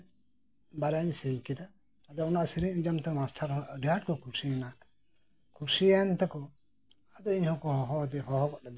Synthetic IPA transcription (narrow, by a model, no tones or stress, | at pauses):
baɾaɲsiɲkid̪aː | d̪ɔɔnaʔsiɾiɲd͡ʒamt̪ɔmasʈʰaɾɔɖiaʈkɔkuɾsijɛna | kuɾsijant̪ɛkɔ | ad̪ɔiɲhɔ̃kɔhɔɦɔd̪ɛɦɔɦɔkɔʔɖad̪